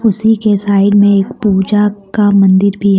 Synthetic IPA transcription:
ʊsikesaːɪɖmẽeːkpuːd͡ʒakamɐ̃nd̪ɪɾbʱi

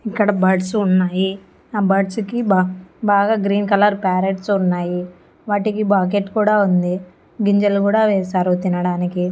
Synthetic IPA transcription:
ikːɐɽɐbɐʈsunːaːji | abɐʈsukibbaːɡaːɡɾiːnkɐlɐɾpaːɾeʈsunːaːji | ʋaːʈikibaːk̬eʈkuːɽaːund̪i | ɡiɲd͡ʒɐlkuːɽaːʋɛːsaːɾut̪inɐɽaːniki

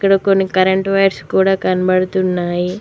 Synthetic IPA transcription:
kːɐɽɐko̞nːikɐɾeɳʈʋɐjʈskuːɽaːkɐnɐbɐɽut̪unːaːji

